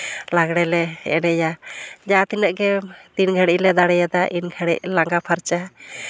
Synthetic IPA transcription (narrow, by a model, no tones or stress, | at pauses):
laɡɽɛlɛɛ̰nɛjad͡ʒaat̪inəʔɡɛt̪inɡʱəɽiʔlɛd̪aɽɛjad̪aʔinɡʱəɽɛʔlaŋɡapʰaɾt͡ʃa